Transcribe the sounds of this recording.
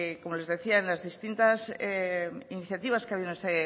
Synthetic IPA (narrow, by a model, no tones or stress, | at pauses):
ko̞mole̞zðeθiaenlazðist̪int̪aseiniθjat̪iβaskeaβionese